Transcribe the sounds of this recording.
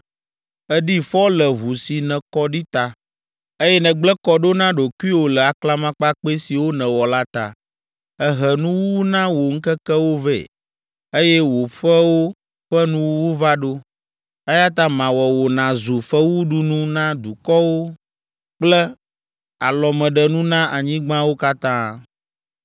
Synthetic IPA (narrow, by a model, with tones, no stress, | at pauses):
ɛ˦ɖi˦fɔ˦lə˨ɦu˨si˨nɛ̃˨kɔ˦ɖi˦t̪a˦ | e˦jɛ˦nɛ̃˨ɡ͡blɛ˦kɔ˨ɖo˦nã˦ɖo˨ki˦wo˨lɛ˨a˨kla˦mã˦k͡pa˦k͡pe˦si˨wo˦nɛ̃˨wɔ˨la˦t̪a̰˨ | ɛ˦ɦɛ˨nũ˦wu˦wu˦nã˦wo˨ŋ̩˦kɛ˦kɛ˦wo˦vɛ̰˨ | e˦jɛ˦wo˨ɸɛ˦wo˦ | ɸɛ˦nũ˦wu˦wu˦va˦ɖo˦ | ɛ˦ja˦t̪̬ã˦mã˨wɛ˨wo˨nã˨zu˨fɛ˦wu˦ɖu˦nũ˦nã˦d̪u˨kɔ˦wo˦ | k͡plɛ˦ | a˨lɔ˨mɛ̃˨ɖə˨nũ˦nã˦a˨ɲĩ˦ɡ͡bã˦wo˦ka˦t̪ãː˦